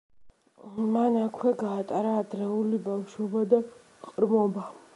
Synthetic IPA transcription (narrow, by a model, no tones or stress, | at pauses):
manakʰwɛɡaːt̪ʼaɾaːd̪ɾɛulibafʃwɔbad̪a | qʼɾmɔba